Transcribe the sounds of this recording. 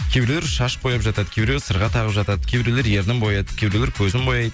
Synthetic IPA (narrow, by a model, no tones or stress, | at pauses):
kʲʰebɾeleɾʃɑʃbo̞jɑpʒɑt̪ɑd̪əkʲʰe̞bɾelesəɾʁɑt̪ʰɑʁəpʒɑt̪ɑd̪əkʲʰebɪɾele̞ɾje̞ɾd̪ɪŋbo̞jɑjd̪ə̥kʲʰe̞bɪɾeleɾkʲʰɵzɪmbo̞jɑjd̪ə